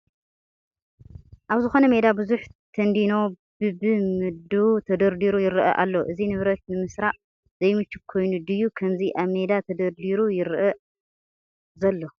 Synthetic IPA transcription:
ʔaβzɨxo̞nɐme̞d̪abɨzuħt̪ʰɐnd̪ino̞ | bɨbɨmɨd̪ut̪ʰɐd̪ɐɾd̪iɾujɪɾʔɐ̰ʔa̰lːo̞ʔɨzinɨβɾɐt̪̚nɨmɨsɾaʔ | zɐjmɨt͡ʃːɪkʰo̞jnud̪ɨjːukʰɐmziʔaβme̞d̪at̪ʰɐd̪ɐɾd̪iɾujɪɾʔɐ | zɐlːo

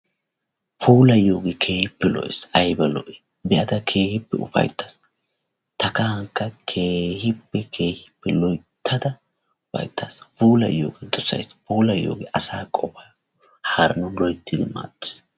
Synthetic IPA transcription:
pʰuːlɐjoːɡɪkʰe̞ːhɪpːɛlɔ̰ʔɪsʔɐjbɐlɔ̰ʔɛ | bɛʔɐd̪ɐkʰe̞ːhɪpːɛʊ̰fɐ̰jt̪ːɐ̥s | t̪ɐkɐhɐŋkːɐkʰeːhɪpːɛkʰe̞ːhɪpːɛlɔjt̪ʰːɐd̪ɐ | ʊpɐ̰jt̪ːɐspuːlɐ̰jːo̰ːɡɪd̪ɔsɐ̰jspuːlɐjo̰ːɡɪʔɐsaːkʼɔpɐj | haːɾɐnɔnlɔjt̪ʰːɪd̪ɪma̰ːt̪ʼːɪ̥s

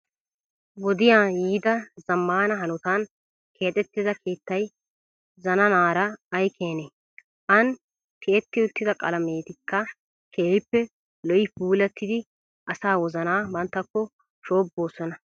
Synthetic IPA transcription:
wɔd̪ɪjaːjiːd̪ɐzɐmːaːnɐɦɐnʊt̪ɐn | kʰe̞ːt̪ʼɛt̪ːɪzɐkʰe̞ːt̪ːɐj | zɐnɐnaːɾɐːjkʰeːne | ʔɐn | kʰeːt̪ːɪʊt̪ːɪd̪ɐkʼɐ̰lɐme̞ːt̪ɪkʰːɐ | kʰeːɪpːɛ | lɔʔɪpuːlɛt̪ːɪd̪ɪ | ʔɐsaːwɔzɐnaːbɐnt̪ːɐkːɔ | ʃo̞ːbːo̞ːsɔnɐ

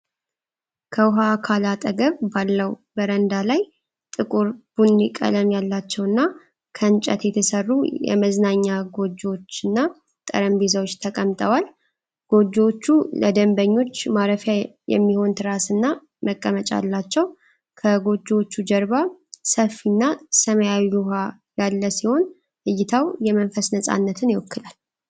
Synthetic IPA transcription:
kʰəwʊɦakʰalat̪ʼəɡəβbalːəwbəɾənd̪alaj | t̪ʼɨkʼuɾb̥unːikʼə̰ləmjalːat͡ʃːɛwɨnːa | kʰəɨnt͡ʃʼə̰t̪jɛt̪ʰəsərːujɛ̰məznaɲːaɡo̞d͡ʒːo̞t͡ʃːɨnːa | t̪ʼə̰ɾəmbizawot͡ʃːt̪ʰəkʼəmt̪ʼəwal | ɡ̥o̞d͡ʒːot͡ʃːuləd̪əmbəɲːo̞t͡ʃːmaɾəfjajɛ̰mːiho̞nt̪ʰɨɾasɨnːa | məkʼːəmət͡ʃʼa̰lːat͡ʃːɛw | kʰəɡo̞d͡ʒːot͡ʃːud͡ʒəɾbasəfinːasəməjawijuɦa | jalːəsiho̞n | ʔɨjːɪt̪ʰawjɛmənfəsnəsʼa̰nːət̪ʰɨnjɪwɔkʰːɨlal

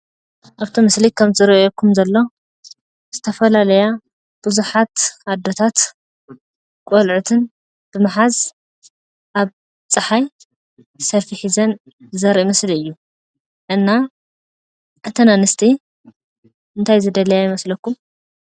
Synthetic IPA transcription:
ʔaβt̪ʰomɨslikʰɐmzɨɾjokʰːumzɐlːo̞ | z̥ɨt̪ʰɐfɐlalɐja | b̥ɨzuħat̪ad̪ːot̪ʰat̪ | kʼolʕut̪ʰɨn | b̥ɨmɨħaz | ʔaβ | t͡sʼɨħaj | sɐɾfiħizɐn | zɐɾʔimɐsliɨjːu | ʔɨnːa | ʔɨt̪ʰɐnanɨst̪ʰi | ʔɨnt̪ʰajzɨd̪ɐlɐjajɪmɐslɐkːum

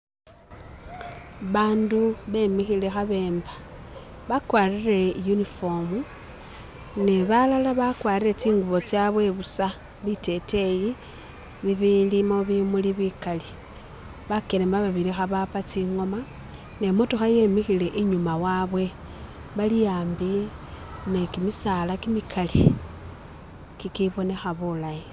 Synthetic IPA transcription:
βaːnduβe̞mixile̞xaβe̞ːmbḁβakwaːrire̞junifom | neβalalaβakwaːɾiɾe̞t͡siːŋɡuβo̞t͡sjaβwe̞βusa | βite̞tʰe̞ji | βiβilimoβimuliβikali | βakeɾemaβaβilixaβapat͡siŋo̞ma | ne̞motuxaje̞mixile̞ʔiɲumawaβwe̞ | βalijaːmbi | ne̞kimisalakimikʰali | kikiβo̞ne̞xaβulaji

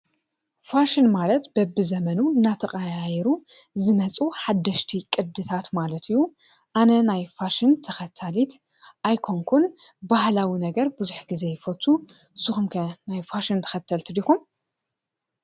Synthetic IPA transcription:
faʃinmalɐt̪bɐbɨzɐmɐnuɨnːat̪ʰɐχʼaajɛɾuzɨmɐt͡sʼuħad̪ːɐʃt̪ʰikʼɨd̪ɨt̪ʰat̪malɐt̪ʰɨjːu | ʔanɐnajfaʃɪnt̪ʰɐxɐt̪ʰːalit̪ | ʔajkʰoŋkʰunbahlawinɐɡɐɾbɨzuħɡize̞jfot̪ʰːu | sɨxumkʰɐnajfaʃint̪ʰɐ̥xɐt̪ʰːɐlt̪ʰɨd̪ixum

